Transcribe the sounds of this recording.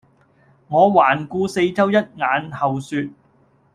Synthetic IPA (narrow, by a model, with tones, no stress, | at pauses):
ŋɔː˨˧waː˨˩nkuː˧se˧jt͡sɐ˥wjɐ˥t̚ŋaː˨˥nhɐ˨wsyː˧t̚